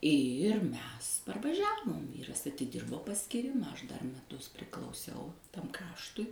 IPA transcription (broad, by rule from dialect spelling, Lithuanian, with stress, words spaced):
ɪr ˈmʲɛs pɐrʋɐˈʒʲæːʋoːm ˈʋʲiːrɐs ɐtʲɪˈdʲɪrboː pɐsʲkʲiːˈrʲɪmɐ ˈɐʃ dɐr mʲɛˈtʊs pʲrʲɪklˠɐʊˈsʲɛʊ ˈtɐm ˈkrɑːʃtʊɪ